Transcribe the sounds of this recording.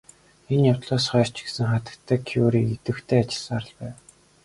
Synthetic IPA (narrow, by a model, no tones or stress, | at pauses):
enjawt̪ɮaːsχœːr̥t͡ɕɡesɘ̆ŋχat̪ə̆kt̪ʰːæːkʰiuːɾiːɡet̪ɘ̆xt̪ʰeːat͡ɕɪ̥̆ɮsaːɾə̆ɮpæːw